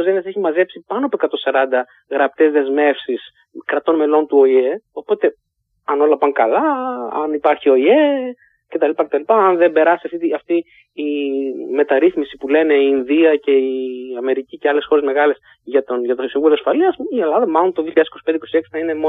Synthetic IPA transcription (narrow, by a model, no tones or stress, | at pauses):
ozenɐse̞çimɐze̞psipɐnoɐpoekɐt̪o̞sɐɾɐnd̪ɐ | ɣɾɐp̚t̪e̞zðe̞zme̞fsis | kɾɐt̪o̞nme̞lo̞nt̪uoie̞o̞po̞t̪e̞ | ɐno̞lɐpɐŋkɐlɐɐ̰nipɐɾçio̞ie | ce̞t̪ɐlipɐcet̪ɐlipɐɐnðe̞mbe̞ɾɐsiɐft̪it̪iɐft̪iː | me̞t̪ɐɾiθmisipule̞ne̞iːnðiɐce̞iɐme̞ɾiciceɐle̞sxo̞ɾe̞zme̞ɣɐle̞s | ʝɐt̪oʝɐt̪osiɱvuloɐsfɐliɐsielɐðɐmɐlo̞nt̪oðiçiʎɐðesikoi̥pnd̪iko̞sieksi̥θɐine̞mo